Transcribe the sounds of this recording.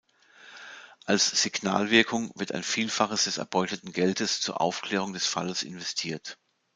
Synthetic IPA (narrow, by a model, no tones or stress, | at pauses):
ʔalsz̥iɡna̰ːlvɪɐkʰʊŋvɪɐtʰa̰ɪnfiːlfaχəsd̥ɛsɛ̰ɐbɔʏtətn̩ɡɛltʰəst͡suːɐʔa̰ʊfkl̥eːʁ̞ʊŋdɛsfa̰ləsʔɪ̰nvɛstʰiːɐt